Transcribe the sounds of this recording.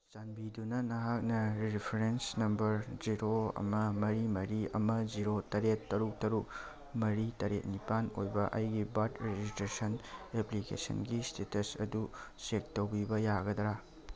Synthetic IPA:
t͡ʃanbidunɐnɐɦak̚nɐɾipʰeɾensnɐmbɐɾd͡ʒiɾoɐ̰mɐmɐɾimɐɾiɐ̰mɐd͡ʒiɾotɐɾetːɐɾuk̚tɐɾuk | mɐɾitɐɾet̚nipanojbɐʔɐjɡibatɾed͡ʒistɾesɐneplikḛsɐ̰nɡistetesɐ̰dusek̚towɡibɐjaɡɐdɐɾa

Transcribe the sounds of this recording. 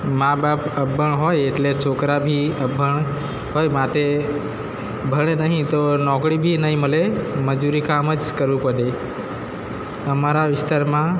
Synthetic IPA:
mãːbaːpəbʱəɳ̃ɦoːeeʈlet͡ʃʰoːkɾabʱiəbʱəɽ̃ | ɦoːjmaʈe | bʱəɽ̃enəɦĩt̪onɔːkɽibʱinəɦĩməleməd͡ʒuɾikaːməd͡ʒkəɾʋũpəɗe | əmaɾaʋɪst̪əɾmã

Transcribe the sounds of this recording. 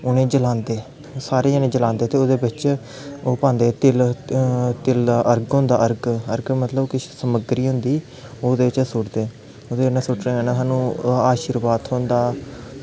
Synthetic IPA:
ʊnẽːd͡ʒəlãːnd̪eː | saːɾeːʊnẽːd͡ʒəlãːnd̪eːt̪eːoːd̪eːbɪt͡ʃ | oːpãːnd̪eːt̪ɪl | t̪ɪlaːʔəɾɡɦʊ̃nd̪a̰ːʔəɾɡəɾɡmət̪ləbkɪsəməɡɾiːɦʊ̃nd̪iː | oːd̪eːɪt͡ʃsʊʈd̪eː | oːd̪eːnãːsʊʈɾẽːeːnãːɦaːnũːaːʃiɾʋaːd̪hõːnd̪aː

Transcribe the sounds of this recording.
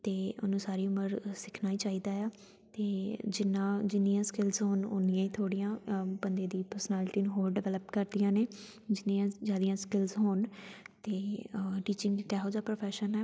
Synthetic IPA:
t̪eːʊ̰nũːsaːɾiːʊməɾsɪkʰnaːiːt͡ʃaːiːd̪aːjaː | t̪eːd͡ʒɪnːãːd͡ʒɪnijãːskɪlzɦoːno̰ːnɪjãːiːt̪ʰoːɽijãːbənd̪eːd̪iːpəɾsənɛːlɪʈiːnɦoːlɖɪʋɛləpkəɾd̪ijãːneː | d͡ʒɪnijãːd͡ʒjaːd̪ɪjãːskɪlzɦoːnt̪eːʈiːt͡ʃɪ̃ŋɡkɛːɦoːd͡ʒaːpɾoːpʰɛːʃənɛː

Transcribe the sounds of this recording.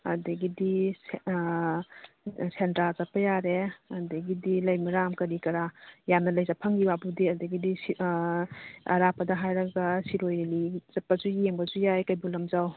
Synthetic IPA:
ɐdɐɡidi | sentɾalzɐpːɐjaɾeɐdɐɡidilɐjmaɾamkɐɾikɐɾajamnɐlɐjzapʰɐŋɡiwabudiɐdɐɡidis | ɐ̰ɾapɐdɐɦajɾɐɡasiɾojeliz̥ɐpːazujeŋbɐzujajkajbulɐmzaw

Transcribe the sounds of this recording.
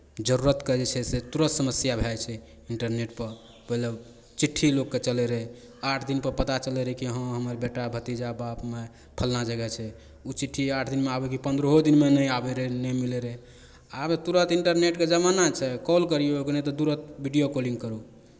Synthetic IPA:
d͡ʒəɾuɾət̪kəd͡ʒet͡ʃʰɛset̪uɾət̪səməsjabʱat͡ʃʰɛ | iɳʈəɾneʈpəɾ | pəɦilə | t͡ʃiʈʰːilokːet͡ʃəlɛɾɛ | aʈʰd̪inpəɾpət̪at͡ʃəlɛɾɛɦkiɦə̃ɦəməɾbeʈabʱət̪id͡ʒabapme | pʰəlnad͡ʒəɡɛt͡ʃʰɛ | ut͡ʃiʈʰːiaʈʰd̪inmeabɛkipənd̪ɾəɦod̪inmenəjabɛɾəɦnəmilɛɾɛ | abt̪uɾət̪iɳʈəɾneʈked͡ʒəmanat͡ʃʰɛkɔlkəɾijookenet̪ɔd̪uɾət̪̚bʱiɖijokolĩŋɡkəɾu

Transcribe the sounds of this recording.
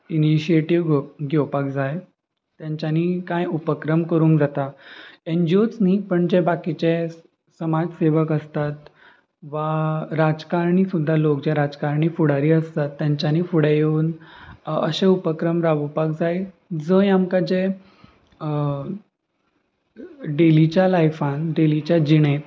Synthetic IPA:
iniɕieʈiʋɡɡʱewpakd͡zaj | t̪jãɲt͡ɕaniːkajupəkɾəmkəɾuːŋkd͡zat̪aend͡ʑiot͡sniːpəɳd͡ʑebakit͡ɕe | səmad͡zseʋəkəst̪at̪ | ʋaɾad͡zkaɾɳisud̪ʱːalok̚d͡ʑeɾad͡zkaɾɳiːfuɽ̤aɾiːəst̪at̪ːjaɲt͡ɕjaniːfuɽejeuːn | əɕẽupəkɾəmɾaʋupak̚d͡zaji | d͡zəjamkad͡ʑe | ɖelit͡ɕjalajfãnɖelit͡ɕjad͡ʑiɽ̃e

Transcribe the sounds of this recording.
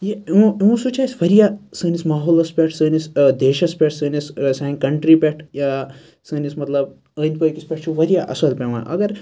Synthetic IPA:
jẽeũsut͡ʃʰaːjsʋɐɾijasɨːnismaːɦoːlɐspʲeʈʰsəːnisd̪eːʃɐspʲeʈʰsəːnissãŋkɐɳʈɾipʲeʈʰja | səːnismɐt̪lɐb | əːnt̪pɐːjkispʲeʈ̚ʰt͡ʃʰuʋɐɾijaʔɐ̰sɐlpʲeʋã̰ʔɐ̰ɡɐɾ

